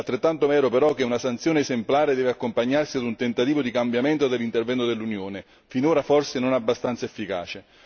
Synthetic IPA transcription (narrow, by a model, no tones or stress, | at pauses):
alt̪ːɾet̪ːant̪omɛːɾopeɾɔk̟ːeunasant̪sjoːneːzemplaːɾed̪ɛːveakːompaɲːarsiad̪unt̪ent̪at̪iːvod̪ikambjamɛnt̪od̪elːint̪ervɛnt̪od̪elːunjoːne | finoːɾafɔrsenonabːast̪ant̪saefːika̰ːt͡ʃe